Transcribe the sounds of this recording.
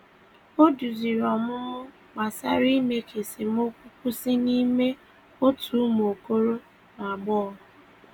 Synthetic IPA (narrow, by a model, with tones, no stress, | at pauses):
o˦du˨zi˨ɾɔ˨mʊ˦ | ɡ͡ba˨sa̰˦ɾi˦me˨kʰe˨si˨m˦o˦kʷu˦kʷu˦si˦ni˦me˦ | o˦tu˨˦m˨o˨ko˦ɾo˦ | m˨a˨ɡ͡bɔ˦˨